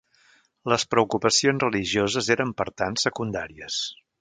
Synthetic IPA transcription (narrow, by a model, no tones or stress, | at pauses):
ləspɾəukupəsionzrəliʒiozəzeɾəmpəɾt̪ansəkund̪a̰ɾiəs